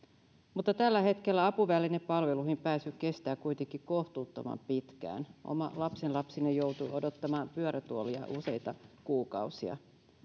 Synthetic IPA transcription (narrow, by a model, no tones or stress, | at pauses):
mut̪ːɑt̪ælːæhe̞t̪ke̞lːæɑpuʋælinepɑlʋe̞luhimpæːsyke̞st̪æːkujt̪eŋkːˑikoht̪uːt̪ːomɑ̰mpit̪kæ̰ːnʔo̞̰mɑ̰lɑpsenlɑpsinejo̞wt̪uʔodot̪ːɑmɑːmpyøɾæt̪uoliɑ̰ʔuse̞jt̪ɑkuːkɑuwsiɑ̰